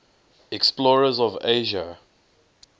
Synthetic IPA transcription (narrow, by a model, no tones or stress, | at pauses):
ɛksplɔɹəzɔveʒə